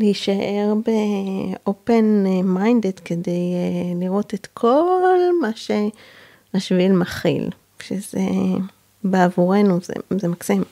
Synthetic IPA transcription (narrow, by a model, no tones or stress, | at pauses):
leiʃaʔe̞ʁbeʔope̞nmajnd̪ed̪kedejliʁo̞t̪et̪kʰo̞lmaʃe | aʃvilmaχḭl | ʃezḛ | beavuʁe̞nuzḛzemaksim